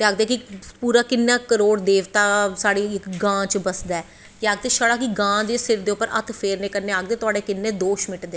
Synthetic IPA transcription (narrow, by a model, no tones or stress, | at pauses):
t̪eːaːɡd̪eːkipuːɾaːkɪnːãːkəɾoːɽd̪eːʋt̪aːsaːɽiːɪkɡãːt͡ʃbəsd̪aːɛː | eaːɡ̚d̪eːʃaɽaːkiɡãːd̪eːsɪɾd̪eːʊpːəɾʔə̰t̪ʰpʰeːɾnẽːkəɾneːaːɡ̚d̪eːt̪ʊaːɽeːkɪnːẽːd̪oːʃmɪʈd̪eː